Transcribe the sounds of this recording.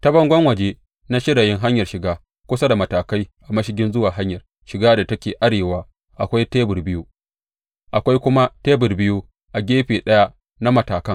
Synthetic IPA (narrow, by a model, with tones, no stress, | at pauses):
tɐ˦bɐ˦ŋɡʷɐ˦ŋwɐ˨d͡ʒe˦ | na˦ʃɪ˦ɽa˨jɪ˦ŋɦa˦ɲjɐ˨rʃɪ˨ɡaː˦ | kʷʊ˦sa˦da˨mɐ˨taː˨ka˦jʔa˨mɐ˦ʃɪ˦ɡʲɪ˦nzʊ˦waː˨ɦa˦ɲjɐ˨r | ʃɪ˨ɡaː˦da˨tɐ˦kʲeː˨ʔa˦ɽeː˨waː˦ | ʔa˨kʷa˦jteː˦bʊ˨rbɪ˦ju˦ | ʔa˨kʷa˦jkʷʊ˦ma˦teː˦bʊ˨rbɪ˦ju˦ | ʔa˨ɡʲeː˦ɸeː˨ɗɐ˦ja˦ | na˦mɐ˨taː˨kɐ˦ŋ